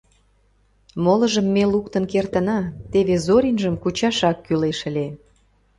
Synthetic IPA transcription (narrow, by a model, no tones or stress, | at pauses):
molə̆ʒəmːelukt̪ənkert̪ə̆nɑt̪eβezoɾʲinʒəmkut͡ɕɑʃɑkːyleʃə̆lʲe